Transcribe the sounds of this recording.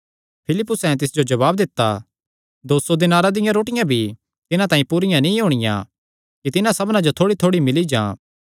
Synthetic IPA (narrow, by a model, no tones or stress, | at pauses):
pʰɪlɪpːʊsɛ̃t̪̬ɪsd͡ʒod͡ʒɐβaːbd̪ɪt̪ːa̰ | d̪oːsod̪ɪnaːɾad̪ɪjãɾoːʈɪjãbʱi | t̪ɪnãt̪ãːĩpuɾɪjãnĩːɦoːɽ̃ɪjã̰ | kit̪ɪnãsɐbnãd͡ʒot̪ʰoːɽit̪ʰoːɽimɪlid͡ʒã̰ː